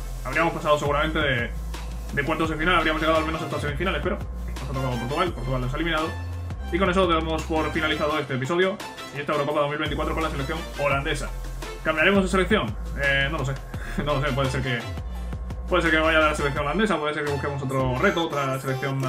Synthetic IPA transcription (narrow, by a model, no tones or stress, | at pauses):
aβɾiamo̞spasaðose̞ɣuɾamẽnt̪e̞ðe | d̪ekwe̞nt̪o̞ðefinalaβɾiamoʝeɣaðoalmenosest̪osemifinale̞spe̞ɾo̞ | nosot̪ɾoop̬o̞ɾt̪uɣalpoɾt̪uɣaleoselimĩnaðo | iko̞ne̞soðeɣemospo̞ɾfinaliθaðoe̞st̪eːp̬iso̞ðjo | iet̪aewɾoko̞paðomilβent̪ikwat̪ɾo̞ko̞nlaselekθjo̞ŋo̞land̪e̞sa | kambjaɾe̞moðeselekθjo̞ŋ | eno̞lo̞s̬e̞ | no̞los̬ep̬we̞ðee̞ɾke | pwe̞ðs̬eɾkemeβajaðelaselek̚θjo̞ŋoland̪e̞sapweðes̬eɾkeβuske̞mo̞s̬o̞t̪ɾore̞t̪oot̪ɾase̞le̞k̚θjo̞ŋ